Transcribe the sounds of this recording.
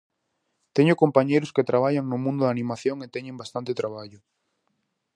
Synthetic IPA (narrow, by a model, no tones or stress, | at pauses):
t̪eɲʊkompaɲejɾʊsket̪ɾaβ̞aʎaŋnʊmũnd̪ʊðanĩmaθjoŋet̪ɛɲẽmbast̪ant̪ɪt̪ɾaβaʎʊ